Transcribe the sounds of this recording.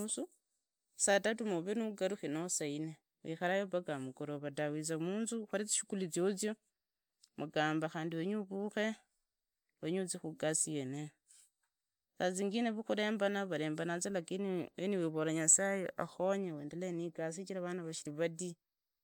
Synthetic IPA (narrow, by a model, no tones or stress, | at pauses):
usu | satatumoβenuɡaɾuxinosaine | wḭxaɾajoβaɡamuɡoɾoβadawizamuːnzuxaɾit͡si̥ʃu̥kulit͡sjot͡sjo | mʔuɡaːmbaxaːndiweɲuβuxe̞ | weɲut͡sixuɡasijene | saziŋɡineβuxuɾe̞ːmbanaβale̞ːmbanazalakineniweβolaɲasajeʔaxoɲeweːndeleniɡas̬it͡ʃiɾaβanaβaʃiliβadi